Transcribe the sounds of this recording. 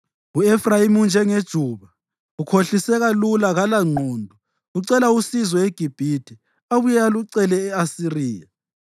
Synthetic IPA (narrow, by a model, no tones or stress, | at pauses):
uɛfrajimund͡ʒʱɛŋed̥ʒ̥ʱuːβa | ukʰoɬisɛɣalulaɣalaŋ͡ǀʱɔːndʱɔ | uǀɛlausizɔeɡ̥ʱib̥ʱidʰʱʼi | aβujaluǀɛlɛːasiriːja